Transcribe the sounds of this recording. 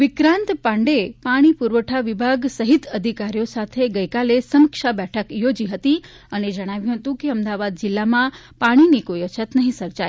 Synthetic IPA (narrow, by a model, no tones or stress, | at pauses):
ʋɪkɾãnt̪pãɳɖepaɽ̃ipuɾʋəʈʰaʋibʱaɡsəɦit̪əd̪ʱikaɾijosat̪ʰeɡəjkalesəməkʃabɛʈʰəkjod͡ʒiɦət̪i | əned͡ʒəɽ̃aʋjũɦət̪ũkeəmd̪aʋad̪̚d͡ʒɪlːamã | paɽ̃inikoiət͡ʃʰət̪nəɦĩsəɾt͡ʃaj